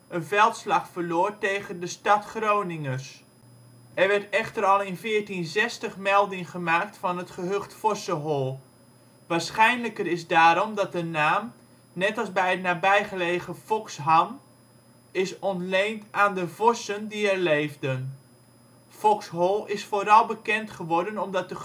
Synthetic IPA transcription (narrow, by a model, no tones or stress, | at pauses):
ənvɛlˠtslɑχfəɹloːɹtejɣəndəstɑtχrownɪŋəs | ʔɛɹʋɛɹtɛχtəɾɑlˠɪnvɪːɹtinzɛstəχmɛlˠdɪŋχəmaːk̚tfɑnɦətχəɦøχtfɔsəɦɔlˠ | ʋaːɹsχɛjnləkəɾɪzdaːɾɔmdɑt̚dənaːm | nɛtɑlˠzbɛjətnaːbɛjχəlejχəfɔksɦɑn | ɪsɔntlejntaːndəvɔsəndiɛɹlejvdən | fɔksɦɔlˠɪsfoːɾɑlˠbəkɛntχəʋɔɹdənɔmdɑt̚də